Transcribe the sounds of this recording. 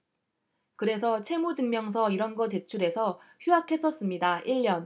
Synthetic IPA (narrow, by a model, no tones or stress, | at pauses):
kɯɾe̞sʰʌt͡ɕʰe̞mud͡ʑɯŋmjʌŋsʰʌiɾʌnɡʌt͡ɕe̞t͡ɕʰuɾe̞sʰʌçjuɦakʰe̞s͈ʌs͈ɯmɲidaiʎːʌn